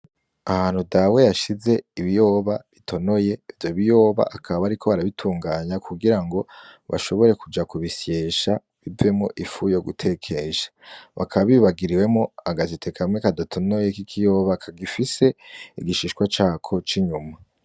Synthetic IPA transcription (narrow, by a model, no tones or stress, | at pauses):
ahaːn̥hudawe̞jaʃize̞iβijo̞ːβaβitʰo̞no̞je̞vjoβijo̞ːβa̰ʔakʰaββaɾikʰo̞βaɾaβitʰuːŋɡaːɲakuɡiɾaŋɡo̞βa̰ʃo̞βo̞ɾe̞kud͡ʒakuβisje̞ːʃa | βive̞mŋoʔifujo̞ɡutʰe̞kʰe̞ʃḁβakʰaβaβiβaɡiɾiwe̞mŋo̞aɡazitʰe̞kʰamŋekadatʰo̞no̞je̞kikʰijo̞ːβakʰaɡifise̞iɡiʃiːʃkwat͡ʃaːkʰo̞t͡ʃiɲuma